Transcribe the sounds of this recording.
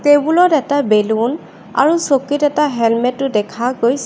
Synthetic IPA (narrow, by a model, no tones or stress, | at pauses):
tebulɔtɛtabelun | a̰ɹusokitɛtaɦɛlmɛtːʊdɛkʰaɡoj